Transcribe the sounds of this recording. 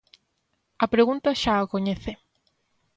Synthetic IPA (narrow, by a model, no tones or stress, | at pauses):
ɐpɾeɣunt̪ɐʃaːkoɲeθe